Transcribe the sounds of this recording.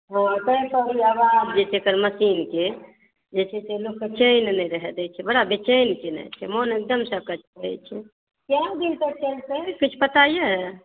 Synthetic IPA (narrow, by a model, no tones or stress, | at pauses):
ɦãt̪əĩpəɾiabad͡ʒd͡ʒet͡ʃʰekəɾməsinke | d͡ʒet͡ʃʰɛselokːt͡ʃejnnɛɾəɦɛd̪ɛt͡ʃʰɛbəɽabet͡ʃenkenɛ̰t͡ʃʰɛ̰monek̚d̪əmsəkət͡ʃʰkəɾɛ̰t͡ʃʰɛ | keãd̪inpəɾt͡ʃəlsekit͡ʃʰpət̪aje